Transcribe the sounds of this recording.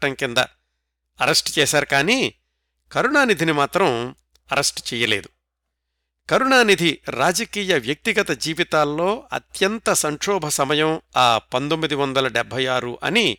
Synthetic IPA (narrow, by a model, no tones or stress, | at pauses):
ʈɐŋkind̪ɐ̰ | ɐɾɐsʈt͡ʃɛːsaːɾukaːniː | kɐɾuɳaːnid̪ʱinimaːt̪ɾɐm | ɐɾɐsʈt͡ʃɛːjɐleːd̪u̥ | kɐɾuɳaːnid̪ʱiɾaːd͡ʒɐkiːjɐʋjɐk̚t̪iɡɐt̪ɐd͡ʒiːʋit̪aːlːo̞ːɐ̰t̪jɐnt̪ɐsɐŋʂɔːbʱɐsɐmɐjɐmaːpɐnt̪omːid̪iʋɐnd̪ɐlɐɖɛbʱːɐjaːɾuʔɐ̰ni